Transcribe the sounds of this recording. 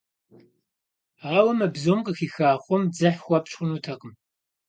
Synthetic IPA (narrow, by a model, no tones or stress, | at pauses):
ʁɐwɐmɐbzomqʼəxiːxaːχʷʊmd͡zɐħxʷɐpt͡ʃʼxʷʊnutʰɐqəm